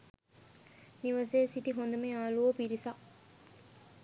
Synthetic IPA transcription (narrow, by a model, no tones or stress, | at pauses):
niʋɐseːsit̪iɦond̪ɐmeaːluʋopiɾisa